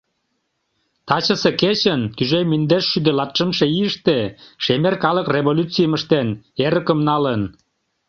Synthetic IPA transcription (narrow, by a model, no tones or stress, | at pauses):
t̪ɑt͡ɕəseket͡ɕənkyʒemynd̪eʃʃyd̪elɑt̪ʃə̆mʃeiəʃt̪eʃemerkɑləkreβolʲut͡sijməʃt̪eneɾəkəmnɑlən